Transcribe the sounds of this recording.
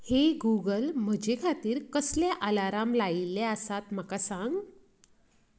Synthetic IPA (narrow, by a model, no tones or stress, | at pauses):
heɡuɡəlm̤əd͡ʑekʰat̪iːɾkəsljaʔalaɾamlailːeəsat̪m̤akasãŋɡ